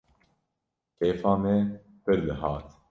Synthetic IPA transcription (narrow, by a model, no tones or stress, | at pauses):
peːfaːmɛ | pɨɾd̪ɨɦɑːt̪